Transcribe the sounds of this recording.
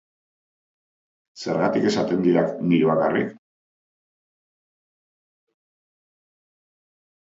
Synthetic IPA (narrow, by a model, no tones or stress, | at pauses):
se̞ɾɣat̪ike̞sat̪e̞nd̪iɾakniɾuβakarḭk